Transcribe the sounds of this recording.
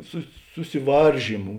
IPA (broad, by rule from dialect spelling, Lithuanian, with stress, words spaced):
sʊs sʊsʲɪˈʋɐrʲʒʲiːmʊ